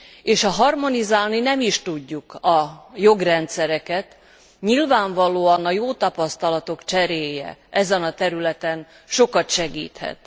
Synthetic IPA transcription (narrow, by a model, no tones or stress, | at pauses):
eːʃɒɦɒrmo̞nizaːlninɛmiʃt̪uɟːukɒjo̞ɡrɛnt̪sɛɾɛkɛt̪ | ɲilvaːɱvɒloːɒnɒjoːt̪ɒpɒst̪ɒlɒt̪o̞kt͡ʃɛɾeːjɛ̰ʔɛzɛnɒt̪ɛɾylɛt̪ɛn | ʃo̞kɒt̪ʃɛɡḭːt̪hɛ̰t̪